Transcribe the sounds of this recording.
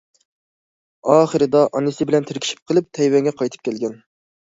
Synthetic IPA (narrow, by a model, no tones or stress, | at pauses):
ɑːχəɾɨd̪ɑʔɑnɨsɪbɪlɛnt̪ʰeɾkʲʰi̥ʃi̥p̚qʰəlˠɨp̚t̪ʰɛjwɛŋɡʲɛqʰɑjt̪ʰɨ̥p̚kʲʰɛlɡʲɛn